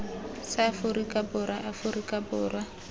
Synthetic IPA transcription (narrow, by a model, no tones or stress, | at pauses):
sɪafʊrikʼabʊrwaʔafʊrikʼabʊːrwa